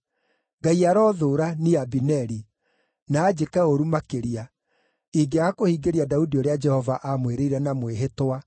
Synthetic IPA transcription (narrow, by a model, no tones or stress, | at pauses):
ɡaiaɾɔːðoːɾaniabinɛɾi | naːd͡ʒekɛoɾumakeɾia | iɡeakohiːɡeɾiadaudioɾead͡ʒɛhɔvaʔamweɾeiɾɛnamweɦetwa